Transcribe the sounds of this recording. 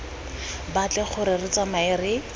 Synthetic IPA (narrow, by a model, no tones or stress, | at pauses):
bat͡ɬɛχʊɾɪrɪt͡samaɪrɪ